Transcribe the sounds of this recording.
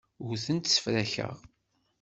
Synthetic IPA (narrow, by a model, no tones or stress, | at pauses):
ʊθənt̪sə̥fɾæçə̰ʁ